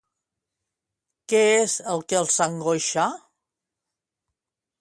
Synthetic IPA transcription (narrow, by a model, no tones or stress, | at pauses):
keezəlˠkelˠsaŋɡoʃa